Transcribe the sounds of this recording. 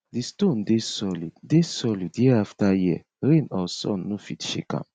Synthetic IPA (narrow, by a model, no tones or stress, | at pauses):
distõndesɔliddesɔlidjiaftaji | ɾẽnɔsɔ̰̃nːofitʃḛkã̰m